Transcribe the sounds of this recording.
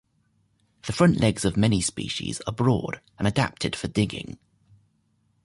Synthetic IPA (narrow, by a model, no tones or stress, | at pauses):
ðəfɹʌ̃nʔlɛɡz̥əvmɛnispḭˑʃḭz̥ə̰bɹɔ̰ːd | ə̃nəda̰p̚tʰɪd̥fədɪɡɪ̰̃ŋ